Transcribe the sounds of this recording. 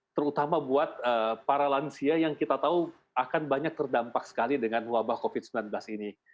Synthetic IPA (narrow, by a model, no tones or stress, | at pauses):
t̪əɾut̪amabuat̪̚əpaɾalansiajaŋkit̪at̪au | akanbaɲak̚t̪ərdampak̚sə̥kalidəŋanwabahkofɪd̪̚səmbilanblasini